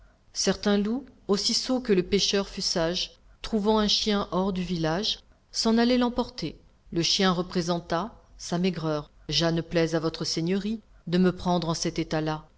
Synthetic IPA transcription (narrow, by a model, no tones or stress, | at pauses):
sɛʁt̪ɛ̃luosisokələpeʃœʁfysaʒ | t̪χuvɑ̃ɛ̃ʃjɛ̃ʔɔʁd̪yvilaʒ | sɑ̃nalɛlɑ̃pɔʁt̪e | ləʃjɛ̃ʁəpχezɑ̃t̪asamɛɡʁœʁ | ʒanplɛzavɔt̪χəseɲəʁi | d̪əməpχɑ̃d̪ʁɑ̃sɛt̪et̪ala